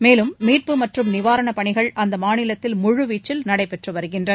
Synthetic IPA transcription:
meːlɯmːiːr̚pɯmɐʈrɯmnɪʋaːɾɐɳɐpɐɳɪɣɐɭʔɐnd̪ɐmaːnɪlɐt̪ːɪlmʊɻʊʋiːt͡ʃːɪlnɐɽɐɪpɛʈrɯʋɐɾɯɣɪndrɐ

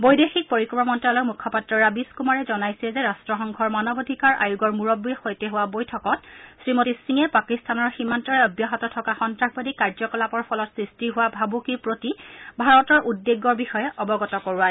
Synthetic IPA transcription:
bojdexik̚poɹikɹɔmɔmɔntalɔkmukʰːɔpatɹɔɹabiskumaɹɛzɔnajsɛzɛɹastɹɔxɔŋɡʱɔɹmanɔbodʱikaɹʔa̰juɡɔɹmuɹɔbijxojtɛɦʊwabojtʰɔkɔt̚sɹimotisiŋɛpakistʰanɔɹximantɔɹɛɔbjaɦɔtɔtʰɔkaxɔntɹaxbadikaɹzɔkɔlapɔɹpʰɔlɔtsɹistiɦʊwabʱabukipɹotibʱaɹɔtɔɹʔudːeɡːɔɹbixɔjɛʔɔbɔɡɔtɔkoɹua

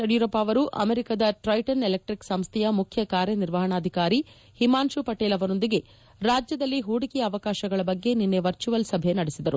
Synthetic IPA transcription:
ɐɽjuɾɐpːaːʋɐɾuʔɐ̰meɾikad̪ɐʈɾɐjʈɐnelek̚ʈɾiksɐmst̪ʰɛjɐmukʰjɐkaːɾjɐniɾʋɐɦɐɳaːd̪ʱikaːɾi | himaːnʃupɐʈeːlɐʋɐno̞nd̪iɡe̞ | ɾaːd͡ʒjɐd̪ɐlːiɦuːɽikɛjɐːʋɐkaːʃɐɡɐɭɐbɐɡːe̞ninːeʋɐɾt͡ʃuʋɐlsɐbʱe̞nɐɽesid̪ɐɾu

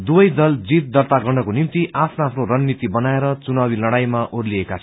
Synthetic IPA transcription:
d̪ubʌjd̪ʌld͡zit̪̚d̪ʌrt̪aɡʌɖʌkonimt̪iʔapʰnaːpʰnoɾʌnːit̪ibʌnaeɾʌt͡sunabilʌɽajmaʔorliekat͡sʰʌ

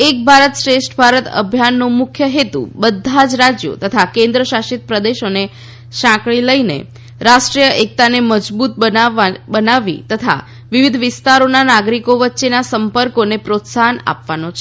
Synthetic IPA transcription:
ek̚bʱaɾət̪ʃɾesʈbʱaɾət̪ə̰bʱjanːumʊkʰjəɦet̪ṵbəd̪ʱːad͡ʒɾad͡ʒjo̰t̪ət̪ʰakẽnd̪ɾəʃaʃit̪̚pɾəd̪eʃəne | ʃãkɭiləinḛ | ɾasʈɾijəʔek̚t̪aneməd͡ʒbut̪̚əbənaʋḭt̪ət̪ʰa̰ | ʋiʋid̪ʱʋɪst̪aɾonanaɡɾikoʋətːʃenasəmpəɾkonepɾot̪sana̰pʋanot͡ʃʰe̥

